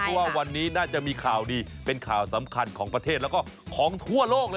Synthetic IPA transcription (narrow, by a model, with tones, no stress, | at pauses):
waː˥˩wa˧nːiː˦˥naː˥˩t͡ɕa˨˩ʔmiː˧kʰaː˨˩wdiː˧pe˧nkʰaː˨˩wsa˩˦mkʰa˧nkʰɔː˩˦ŋpɾa˧t̪ʰe˥˩t̪̚lkɔː˥˩kʰɔː˩˦ŋt̪ʰu˥˩ɐloː˥˩k̚lɤː˧